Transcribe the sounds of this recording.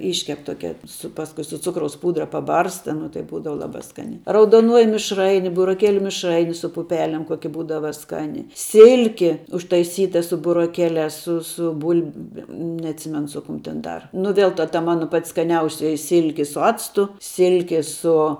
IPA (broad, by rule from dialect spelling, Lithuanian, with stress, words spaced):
ˈɪʃʲkʲɛp ˈtoːkʲɛ sʊ ˈpɑːskʊɪ sʊ ˈt͡sʊkrɐʊs ˈpuːdrɐ pɐˈbɐrstɐ nʊ tɐɪ ˈbuːdɐʋɐ ˈlˠɑːbɑː ˈskɑːnʲæː rɐʊdoːˈnuɔjɪ mʲɪʃˈrɐɪnʲɪ bʊroːˈkʲeːlʲʊ mʲɪʃˈrɐɪnʲɪ sʊ pʊˈpʲæːlʲɛm ˈkoːkʲɪ ˈbuːdɐʋɐ ˈskɑːnʲɪ ˈsʲɪlʲkʲɪ ʊʃtɐɪˈsʲiːtɐ sʊ bʊroːˈkʲæːlʲæːs sʊ sʊ ˈbʊlʲbʲɛm nʲɛɐtʲˈsʲɪmʲɛnʊ ˈsʊ ˌkʊm tʲɛn ˈdɐr nʊ ˈʋʲeːlˠ tɐ tɐ ˈmɑːnoː pɐtʲ skɐˈnʲɛʊsʲoːjɪ ˈsʲɪlʲkʲɪ sʊ ˈɑːt͡stʊ ˈsʲɪlʲkʲɪ ˈsʊ